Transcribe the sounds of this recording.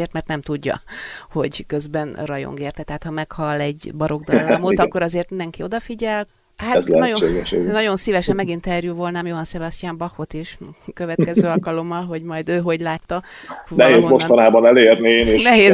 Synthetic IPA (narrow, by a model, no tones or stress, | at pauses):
eːrt̪mɛrt̪nɛmt̪uɟːɒ̰ho̞̰ɟkø̞zbɛnrɒjo̰ŋɡeːrt̪ɛt̪ɛɦaːt̪hɒmɛkhɒlːɛɟbɒɾo̞ɡd̪ɒlːmot̪ɒkːo̞ɾɒzeːrt̪mind̪ɛŋkio̞d̪ɒfiɟɛlt | haːzɛnoeːɡɛḛɡnɒɟo̞nsivɛʃɛmmɛɡint̪ɛrjuvo̞lnaːmjoɦɒnsɛbɒst̪jaːmbɒxot̪iʃkøvɛt̪kɛzøːɒlkɒlo̞mːɒlɦo̞ɟmɒjd̪øːɦo̞ɟlaːt̪ːɒnɛɦeːzmoʃt̪ɒnaːbɒnɛleːrnineːʃnɛɦeːz